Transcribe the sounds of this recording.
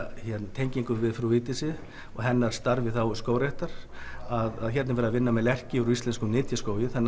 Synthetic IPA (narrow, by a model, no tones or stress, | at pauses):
çɛt̪nt̪ʰejɲciŋkʏvɪðfɾuvɪːt̪ɪsɪ | ɔɣɦɛnːaɾ̥st̪aɾvɪθawskoːwɾeht̪aɾ̥ | aðaðçɛt̪nɪvɛːɾðavɪnːamɛlɛr̥cɪɾist̪ɛnskʏmnɪːt̪jaskoːwjɪθɛnː